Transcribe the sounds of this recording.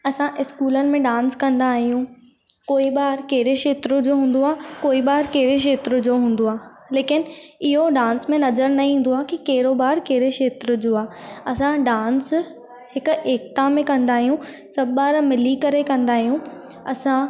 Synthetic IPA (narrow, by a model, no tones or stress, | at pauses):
ɐsãʔɪskuːlənɪ̆mẽɖãːnskɐ̃nd̪aːɦijũ | koːibaːɾkeɦɾeʃeːt̪ɾʊd͡ʑoːɦũːn̆d̪oaːkoːiɓaːɾkeɦɾeʃ̬eːt̪ɾʊ̆d͡ʑoːɦũːn̆d̪oaː | leːkɪnɪɦoɖãːnsmẽnɐzəɾnɐĩːn̆d̪oaːkikeːɾobaːɾkeːɾeʃeːt̪ɾʊd͡ʑoːaːɐsãɖãːns | ɦɪkʊ̆eːk̚t̪amẽkɐ̃nd̪aːɦijũ | sɐbɓaːɾmɪlikɐɾekɐ̃nd̪aːɦijũ | ɐsã